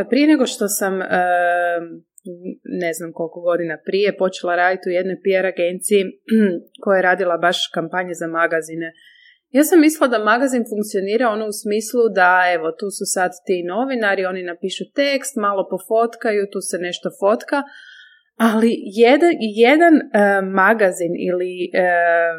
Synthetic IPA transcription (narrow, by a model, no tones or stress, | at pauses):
pɾije̞neɡo̞ʃt̪o̞samə | ne̞znamko̞lˠkoɡo̞d̪inapɾije̞po̞t͡ʃelˠaɾaːd̪it̪uje̞d̪no̞jpiaɾaɡe̞nt̪siji | ko̞jajeɾaːd̪ilˠabaʃkampaɲezamaɡazine | jaːsamːislilˠad̪amaɡazinfuŋk̚t̪sijoniːɾao̞nousmiːslˠud̪ae̞ʋo̞t̪uːsusad̪t̪ːino̞ʋinaɾio̞ninapiːʃut̪ekst̪maːlo̞po̞fo̞t̪kajut̪uːse̞ne̞ʃt̪o̞fo̞t̪ka | alijed̪ajed̪anmaɡazinḭli